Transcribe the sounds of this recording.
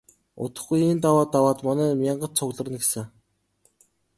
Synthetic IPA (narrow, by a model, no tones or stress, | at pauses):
ʊ̰t̪ə̆χɡujent̪awaːt̪ːawaːt̪mɔnæːmʲjaɴɢə̆tt͡sʰʊɣɮə̆rə̆nɡesɘ̆